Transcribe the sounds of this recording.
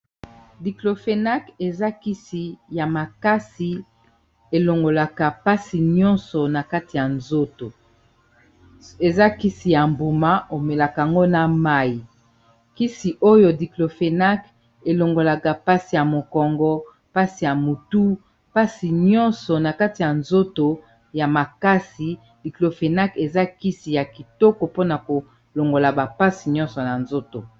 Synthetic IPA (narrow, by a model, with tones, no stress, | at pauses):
di˨klo˨fe˨na˦ke˨za˦ki˦si˨ja˨ma˨ka˦si˨ | e˨lo˨ŋɡo˨la˨ka˨pa˦si˨ɲɔ̃˦nsɔ˨na˨ka˦ti˨ja˨nzo˦to˨ | e˨za˦ki˦si˨ja˨mbo˨ma˦ʔo˨me˨la˨ka˨a˨ŋɡo˦na˨ma˦i˨ | ki˦si˨ʔo˦jo˨di˨klo˨fe˨na˦k | e˨lo˨ŋɡo˨la˨ka˨pa˦si˨ja˨mo˨kɔ˨ŋɡɔ˦ | pa˦si˨ja˨mu˨tu˦ | pa˦si˨ɲɔ̃˦nsɔ˨na˨ka˦ti˨ja˨nzo˦to˨ | ja˨ma˨ka˦si˨ | di˨klo˨fe˨na˦ke˨za˦ki˦si˨ja˨ki˨tɔ˦kɔ˨po˦na˨ko˨ | lo˨ŋɡo˨la˨ba˨pa˦si˨ɲɔ̃˦nsɔ˨na˨nzo˦to˨